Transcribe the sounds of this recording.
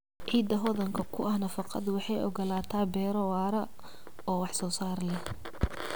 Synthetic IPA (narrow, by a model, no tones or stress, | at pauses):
ʕiːd̪ɐɦɔðɐŋkʰɐkʰʊɐhnɐfɑqɑ̰d̪wɑħɑjʔɔ̰ɡɐlaːt̪ʰaːbɛːɾɔwaːɾɐ | ɔːwɑħsɔːsaːrlɛh